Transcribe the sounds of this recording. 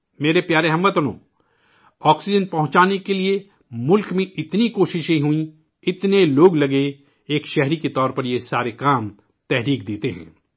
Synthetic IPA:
meːɾepjaːɾeɦɐ̃mʋət̪ənõ̰ː | ɔːksɪd͡ʒənpɐɦʊ̃t͡ʃaːnekelie | mʊlkmẽʔɪt̪nikoːʃɪʃẽɦuĩ | ɪt̪neloːɡlɐɡe | eːkʃɛɦɾiket̪ɔːɾpɐɾjesaːɾekaːm | t̪ɛɦɾiːkd̪eːt̪eɦɛ̰̃ː

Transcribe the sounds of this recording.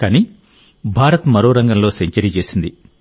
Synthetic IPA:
kaːni | bʱaːɾɐt̪mɐɾo̞ːɾɐŋɡɐmlo̞ːseɲt͡ʃɐɾiːt͡ʃe̞ːsind̪i

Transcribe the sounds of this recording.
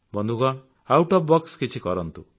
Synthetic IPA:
bɔnd̪ʱuɡɔɳ | awʈɔpbɔkskit͡ʃʰikɔɾɔnt̪u

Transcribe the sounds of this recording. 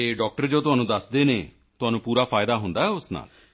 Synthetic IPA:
eɖɔːk̚ʈəɾd͡ʒot̪ʊɦaːnũːd̪əsd̪eːneː | t̪ʊɦaːnũːpuːɾaːpʰaːjd̪aːɦʊ̃nd̪aːɦɛʊsna̰ːl

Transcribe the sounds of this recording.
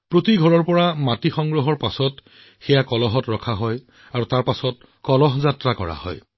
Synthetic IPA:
pɹotiɡʱɔɹɔɹpɔɹamatixɔŋɡɹɔɦɔɹpasɔt | xɛjakɔlɔɦɔtɹɔkʰaɦɔj | aɹutaɹpasɔt̚ | kɔlɔɦzatɹakɔ̰ɹa̰hɔ̰j

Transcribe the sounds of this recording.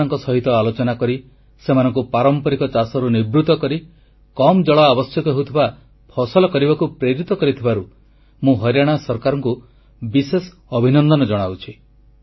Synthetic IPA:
ɔŋkɔsɔɦit̪ɔalot͡ʃɔnakɔɾi | semanɔŋkupaɾɔmpɔɾikɔt͡ʃasɔɾunibɾut̪ɔkɔɾi | kɔmd͡ʒɔɭɔabɔsjɔkɔɦewt̪ʰiba | pʰɔsɔlɔkɔɾibakupɾeɾit̪ɔkɔɾit̪ʰibaɾu | mũɦɔɾjaɽ̃asɔɾkaɾɔŋku | bises | ɔbʱinɔnd̪ɔnɔd͡ʒɔɽ̃awt͡ʃʰi

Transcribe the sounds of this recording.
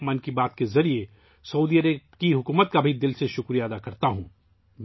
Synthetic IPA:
mənkibaːt̪kezɐɾie | sɐuːd̪iəɾekiɦʊkuːmət̪̚kabʱid̪ɪlseʃʊkɾijaːd̪akɐɾt̪aɦũː | m

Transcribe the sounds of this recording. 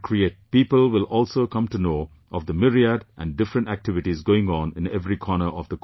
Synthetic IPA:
kʰɾieːʈ̚piːpəlwɪlɔːlsokʌ̃mʈunoː | ʔɔvd̪əmɪɾiədʔæ̃nɖɪfɾə̃nʈæk̚ʈɪʋɨʈizɡoːɪ̃ŋɔ̃nɪ̃nɛvɾikʰɔnəʔɔvd̪ək

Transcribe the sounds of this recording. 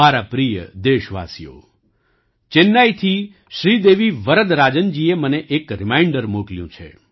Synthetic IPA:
aɾapɾijəd̪eʃʋa̰sijo̰ | t͡ʃenːajt̪ʰi | ʃɾid̪eʋiʋəɾəd̪ɾad͡ʒənd͡ʒieməneʔekɾɪmaiɳɖəɾmokljũt͡ʃʰḛ

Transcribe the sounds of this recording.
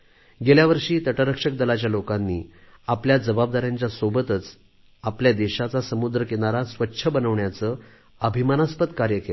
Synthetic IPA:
ɡeljaʋəɾʂiːt̪əʈəɾəkʂək̚d̪əlat͡ɕjalokanːiː | apljad͡zəbab̚d̪aɾjãɲt͡ɕjasobət̪ət͡s | apljad̪eɕat͡sasəmud̪ɾəkeɽ̃aɾasʋətːɕʰəbənəʋɳjat͡sə | əbʱimanaspət̪kaɾjəkel

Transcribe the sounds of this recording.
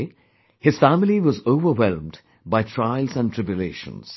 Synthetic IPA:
hɪz̥fæmɪliʋɔzoʋəɾwɛlmd | baɪtʰɹaɪlˠzæ̃ntʰɹɪbjʊleːʃə̰̃nz̥

